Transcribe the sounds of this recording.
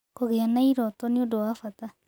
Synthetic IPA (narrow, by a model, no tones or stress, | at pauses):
koɣeanaiɾɔtɔneodowafata